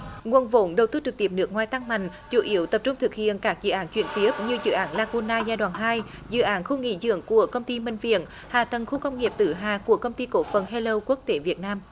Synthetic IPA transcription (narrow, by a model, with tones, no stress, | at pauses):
ŋu˨˩ənvo˨˦nɗə˨˩wt̪ɨ˧t͡ɕɨ˨˩k̚t̪i˧˩əp̚nɨ˦˥kŋwaː˨˩jt̪a˧ŋma˨˧˩jŋ̟ | t͡ɕu˧˨˩ʔi˨˦əwt̪ə˨˩p̚t͡ɕʊ˧ŋ͡mt̪ʰɨ˨˩k̚hḭ˧˨ənkaː˦˥k̚zɨ̰˧˨ʔaː˨˦nt͡ɕwḭ˧˩ənt̪i˦əp̚ɲɨ˧zɨ̰˧˨ʔaː˨˦nlaː˧ku˧naː˧zaː˧jɗwa̰ː˧˨˩nɦaː˧jzɨ̰˧˨ʔaː˨˦nxu˧ŋḭ˧˥zɨ̰˧˨əŋku˧˩əkə˧wŋ͡mt̪i˧mï˧˩ŋ̟vḭ˧˨ən | haː˨˩t̪ə˨˩ŋxu˧kə˧wŋ͡mŋi˨˩əp̚t̪ɨ˧˩ɦaː˨˩ku˧˩əkə˧wŋ͡mt̪i˧ko̰˧˥fə˧˩nɦe˧lə˧wku˦˥k̚t̪e˨˦vi˨˩ət̚naː˧m